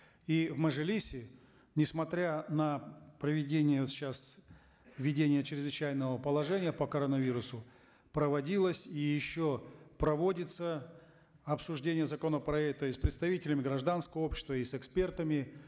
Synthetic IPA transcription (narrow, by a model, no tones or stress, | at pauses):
ivməʐɨlʲisʲɪ | nʲɪsmɐt̪ɾʲanəpɾəvʲɪdʲenʲɪjət̪ɕas | vʲɪdʲenʲɪjət͡ɕɾʲɪzvɨt͡ɕæjnəvəpəlˠɐʐɛnʲɪjəpəkɐɾonəvʲiɾʊsʊ | pɾəvɐdʲilˠəsʲijɪɕːopɾɐvo̞dʲɪt̪sə | ɐpsʊʐdʲenʲɪjəzɐko̞nəpɾɐɛk̚t̪əɪspɾʲɪt̪st̪ɐvʲitʲɪlʲɪmʲɪɡɾɐʐd̪anskəvəo̞pɕːɪ̥st̪vəisɨkspʲe̞rt̪əmʲɪ